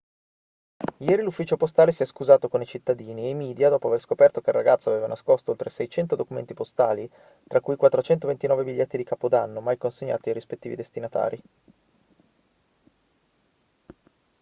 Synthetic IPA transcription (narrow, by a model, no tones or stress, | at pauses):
jɛːɾilufːiːt͡ʃopost̪aːlesiɛskuzaːt̪okonit͡ʃit̪ːad̪iːniemiːd̪jad̪ɔːpoaverskopɛrt̪okeiraɡat̪saveːvanaskost̪oolt̪ɾesɛjt͡ʃɛnt̪od̪okumḛnt̪ipost̪aːli | t̪ɾʔakːujkwat̪ːɾot͡ʃɛnt̪ovent̪inɔːvebiʎːɛt̪ːid̪ikaːpod̪anːomajkonseɲːa̰ːt̪iajɾispet̪ːiːvid̪est̪inat̪a̰ːɾi